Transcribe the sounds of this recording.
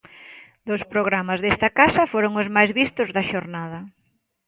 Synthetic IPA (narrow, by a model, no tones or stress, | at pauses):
d̪ospɾoɣ̞ɾamazðest̪ɐkasɐfoɾoŋʊzmajzβist̪ʊzðɐʃoɾnað̞ɐ